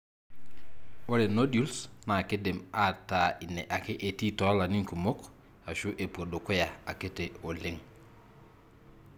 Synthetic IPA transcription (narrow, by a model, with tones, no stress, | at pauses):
wo˦ɾe˨no˦dju˦lsna˨ke˦de˨ma˦ta˨i˨ne˨ʔa˨ke˦ʔe˨ti˦tɔ˨˦la˨ni˦ŋku˨mo˦k | a˨ʃu˦ʔe˨po˨do˨ko˦ja˨a˨ke˦te˨o˨le˦ŋ